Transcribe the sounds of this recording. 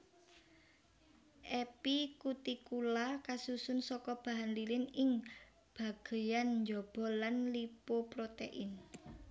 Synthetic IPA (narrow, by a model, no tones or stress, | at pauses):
ʔɛpikut̪ikulakasusʊnsɔkɔb̥a̤ɦanlilɪnɪŋ | b̥a̤ɡ̥e̤janɲd͡ʒɔb̥ɔ̤lanlipopɾot̪eʔɪn